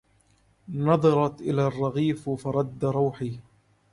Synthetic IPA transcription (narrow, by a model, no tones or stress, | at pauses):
nɑðˤɑɾˤɑt̪ʔɪlaːrˤːɑɣiːffɑɾˤɑd̪ːaɾˤuːħiː